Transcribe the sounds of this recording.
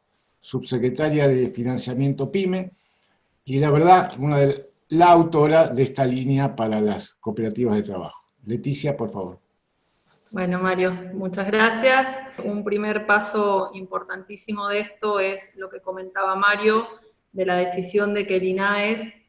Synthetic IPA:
suβsekɾet̪aɾjaðefinãnsjamje̞nt̪o̞pime̞ | ilaβeɾðaunaðe | laːwt̪o̞ɾaðest̪alinjapaɾalaskopeɾat̪iβazð̞e̞t̪ɾaβa̰xo̥ | le̞t̪isjapo̞ɾfaβo̞̰ɾ | bwe̞nomaɾjo̞mut͡ʃazɣɾasjasumpɾimeɾpaso̞impo̞ɾt̪ant̪isimo̞ðeest̪o̞e̞slo̞ke̞ko̞mẽ̞nt̪aβamaɾjo̞ | ðe̞laðe̞sisjo̞nd̪e̞kelinaes

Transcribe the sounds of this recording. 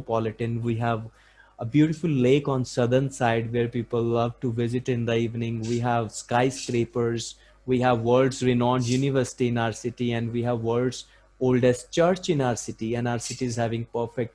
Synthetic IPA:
pɔlɪʈə̃nʋiːɦæʋ | əbjuːʈɪfʊlːeːkɔ̃ːnsʌd̪əɾnsaɪɖʋeːɾpiːpəlːʌʋʈuʋɪzɪʈɪ̃nd̪əiːʋnɪ̃ŋɡʋiːɦæʋskaɪskɾeːpəɾz | ʋiːɦæʋːəlɖzɾɪnɔ̃ːnɖjunɪʋəɾsɪ̥ʈiɪ̃naʊəɾsɪʈiɛ̃ɳɖʋiːɦæʋːəːlɖz | oːlɖɛsʈ̚t͡ʃəɾt͡ʃɪ̃naʊəɾsɪʈiɛ̃nɖaʊəɾsɪʈizhæʋɪ̃ŋɡpəɾfek̚ʈ̚

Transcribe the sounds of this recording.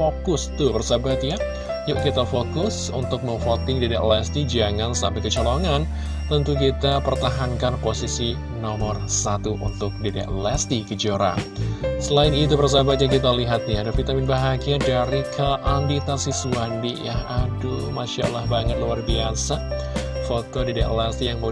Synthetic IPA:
fokʊst̪ʊbərsabat̪̚ja | jaʔkit̪afokʊs | ṵnt̪ʊk̚məŋfot̪ɪŋdidaʔlɛst̪id͡ʒaŋansampajkət͡ʃɔloŋan | t̪ənt̪ukit̪apərt̪aɦankanposisi | nɔmərsat̪uʔṵnt̪ʊk̚deda̰ʔlɛst̪ikəd͡ʒoɾa̰səlaɪnit̪̬ubərs̬abat͡ʃakit̪aliɦat̪̚ɲaadafit̪amɪnbaɦaɡiadaɾikʰəʔandit̪asisuandijaadumaʃa̰lahbaŋət̪̚luarbiasa | fot̪odidaʔlɛst̪ijaŋbo

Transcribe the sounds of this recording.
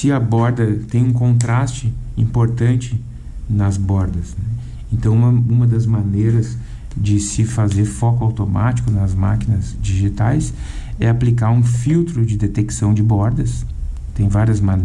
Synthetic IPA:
sɪɐbɔɾd̪ɐt̪ẽj̃ũkõnt̪ɾast͡ʃɪĩpoɾt̪ɐ̃nt͡ʃɪ | nɐzbɔɾd̪ɐsnɛ | ẽnt̪ɐ̃w̃ɐũmɐd̪ɐzmanejɾɐz | d͡ʒɪsɪfazeɾfɔkʊawt̪oma̰t͡ʃi̥kʊnɐzmakinɐzd͡ʒiʒit̪ajs | ɛaplikaɾũfiwt̪ɾʊd͡ʒɪd̪et̪eksɐ̃w̃d͡ʒɪbɔɾd̪ɐs | t̪ẽj̃vaɾiɐzman

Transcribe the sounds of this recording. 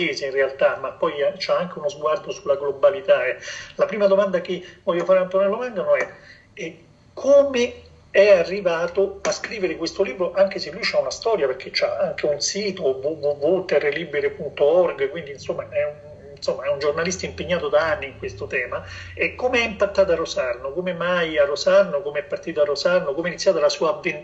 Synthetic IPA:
eːzeinrealt̪amapːɔjat͡ʃaaŋk̟eunozɡward̪osulːaɡlobalit̪aɛlapɾiːmad̪omand̪akevɔʎːofaːɾeant̪onɛlːomaŋɡanoɛ | ɛ | kʰome | ɛarːivaːt̪oaskɾiːveɾekwest̪oliːbɾoʔaŋkeselːujt͡ʃaunast̪ɔːɾjaperk̟ʰet͡ʃːaaŋk̟eunsiːt̪ovuvuvut̪ɛrːeliːbeɾepunt̪oɔrɡkwind̪insomːaʔɛun | somːaɛund͡ʒornalist̪aimpeɲːaːt̪od̪aanːiːŋkwest̪ot̪ɛːma | ɛkːomeɛimpat̪ːaːt̪arosanːokomemajarːosanːokomeɛpːart̪iːt̪oarːosanːokomɛnit̪sjaːt̪alasuːaːvːen

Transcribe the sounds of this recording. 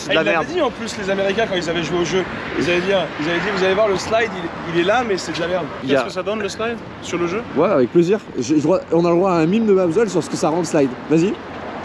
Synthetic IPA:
sɛd̪laɛʁd̪d̪iɑ̃plyslezameʁikʲɛ̃kɑ̃ilzavɛʒweoʒøilzavɛd̪iʁilzavɛd̪ivuzalevwaʁləslajd̪il | ilɛlamɛsɛd̪lamɛʁd̪iaskəsad̪ɔnləslajd̪ | syʁləʒøwɛavɛk̚pleziʁʒʒəd̪ʁwaɔ̃naləd̪ʁwaɛ̃milmd̪əmabzɛls̬yʁsə̥kəsaʁɑ̃lslajd̪vazi

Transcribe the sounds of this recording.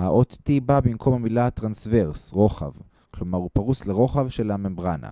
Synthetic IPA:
haʔot̪tibabimkʰo̞mhamilat̪ʁansveʁsʁo̞χa̰v | klomaʁupaʁusleʁo̞χavʃe̞lhamembʁana̰

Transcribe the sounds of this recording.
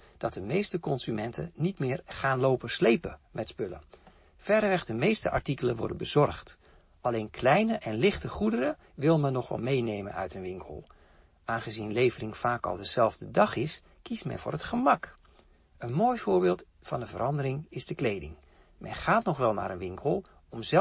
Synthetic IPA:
d̥ɑt̚dəmejstəkɔnzymɛntʰə̰nitmɪːrχaːnloːwpəslejpəmɛtspɵlə̰ | fɛɾəʋɛχd̥əmejstəʔɑ̰ɹtikələnʋɔ̰ɹdəbəz̥ɔrχt | ʔɑlejnkʰlɛjnəʔɛnlɪχtəχudəɾə | ʋɪlˠmɛnːɔχʋɑ̰lˠmejnejmə̰nœ̰ɥtənʋɪŋkʰəlˠ | ʔaːnχəzinlejvərɪŋfaːkɑ̰lˠdəz̥ɛlˠvdədɑχɪs | kismɛ̰nvʊ̰ːrɦətχəmɑk | ənmoːjv̥ʊːɹbɪːlˠt | fɑndəvəɾɑndəɾɪŋɪzdəklejdɪ̰ŋ | mɛ̰nχaːtnɔχʋɛlˠma̰ːɾənʋɪŋkʰəlˠ | ɔmzɛ

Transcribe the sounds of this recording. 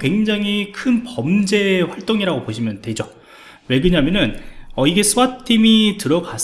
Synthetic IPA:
kwe̞ŋd͡ʑaŋikʰɯnpʌmd͡ʑe̞ɸwaɭt͈oŋiɾaɡopoɕʰimjʌndwe̞d͡ʑo | we̞ɡɯɲamjʌnɯnʌiɡe̞s͈ʰɯmattʰimitɯɾʌɡas͈

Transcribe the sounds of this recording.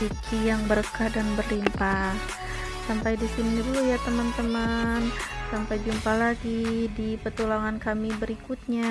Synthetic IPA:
it͡ʃijaŋbəɾəkahdanbərlimpah | sampajdisinuɲadulujat̪əmant̪əmənsampajd͡ʒumpalaɡidipət̪ulaŋankamibəɾikut̪̚ɲa

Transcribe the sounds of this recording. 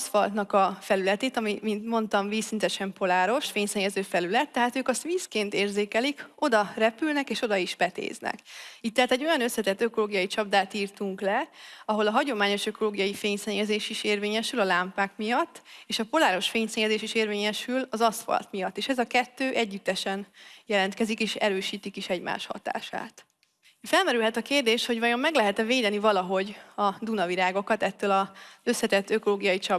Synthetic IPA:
sfɒlt̪nɒkɒfɛlylɛt̪eːt̪ɒmimint̪mo̞nt̪ɒɱviːsint̪ɛʃɛmpo̞laːɾo̞ʃfeːɲsɛɲːɛzøːfɛlylɛt̪ːɛɦaːt̪øːkɒst̪ʋiːskeːnt̪eːrzeːkɛliko̞d̪ɒrɛpylnɛkeːʃo̞d̪ɒiʃbɛt̪ḛːznɛ̰kit̪ːɛɦaːt̪ɛɟːo̞jɒnøslɛt̪ɛt̪ːøko̞loːɡijɒjit͡ʃɒb̚d̪aːt̪iːrt̪uŋklɛɒɦo̞lɒɦɒɟo̞maːɲo̞ʃøko̞loːɡijɒjifeːɲsɛɲːɛzeːʃiʃeːrveːɲɛʃylɒlaːmpaːkmijɒt̪ːeːʃɒpo̞laːɾo̞ʃfeːɲsɛɲɛzeːʃiʃeːrveːɲɛʃylɒzɒsfɒ̰lt̪mijɒt̪ːeːʃɛzɒkɛt̪ːøːʔɛɟːyt̪ːɛʃɛnjɛlɛnt̪kɛzikeːʃɛɾøːʃiːt̪ikiʃɛɟma̰ːʃhɒ̰t̪a̰ːʃa̰ːt̪ | fɛlmɛɾylɦɛt̪ɒkeːrd̪eːʃho̞ɟvɒjo̞mːɛɡlɛɦɛt̪ɛveːd̪ɛnivɒlɒɦo̞ɟɒd̪unɒvilaːɡo̞kɒt̪ɛt̪ːøːlɒzø̞sːɛt̪ɛt̪ːøko̞loːɡijɒjit͡ʃɒ

